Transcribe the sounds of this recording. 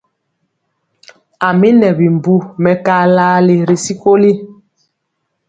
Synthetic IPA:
a˨mi˦nɛ˨bi˨m˨bu˦mɛ˨kaː˦laː˦li˨ɾi˨si˦ko˦li˦

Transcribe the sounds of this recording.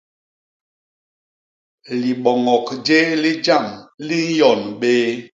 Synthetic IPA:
li˨ɓɔ˨ŋɔ˨kd͡ʒe˦li˦d͡ʒa˦˨mli˦n̩˦jɔ˨nɓeː˦

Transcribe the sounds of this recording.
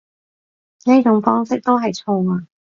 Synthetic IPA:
ni˥jt͡sʊ˨˧˥ŋfɔː˥ŋsɪ˥k̚t̪o˥wɦɐ˨jt͡sʰʊ˧ŋaː˧

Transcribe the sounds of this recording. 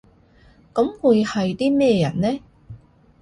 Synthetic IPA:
kɐ˨˥mwuː˨˧jhɐ˨jt̪iː˥mɛː˥ɛ˧jɐ˨˩nnɛː˥

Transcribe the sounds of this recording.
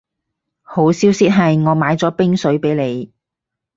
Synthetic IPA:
ho˨˥wsiː˥wsiː˥t̚ɦɐ˨jŋɔː˨˧maː˨˧jt͡sɔː˨˥pɪ˥ŋsɵ˨˥ɥpe˨˥jle˨˧j

